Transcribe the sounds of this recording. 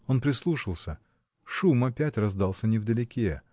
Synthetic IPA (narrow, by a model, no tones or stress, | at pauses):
o̞npɾʲɪslˠuʂɨlˠsʲə | ʂumɐpʲætʲrɐzd̪ɑlˠsʲənʲɪvd̪əlʲɪkʲe